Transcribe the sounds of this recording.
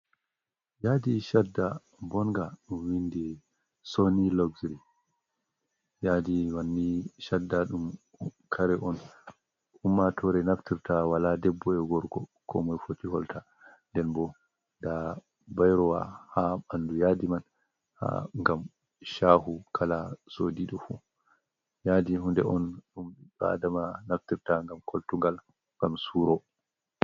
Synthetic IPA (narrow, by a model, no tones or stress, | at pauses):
jadiʃadːa | bɔnɡaɗumwindi | soniloɡzɾi | jadiwanːiʃadːaɗum | kʰaɾɛʔɔn | ʔumːatʰɔɾɛnaftiɾtawaladɛbːɔɛɡɔɾɡɔkʰɔ̰mɔjfotihɔltʰa | ndɛnbɔ | da | bajɾɔwa̰haandujadiman | ha̰ŋɡam | ʃahukʰalasodiɗɔfṵ | jadiɦundɛʔɔnɗumɗba̰damanaftiɾtaŋɡamkʰoltuŋɡal | ŋɡamsuɾɔ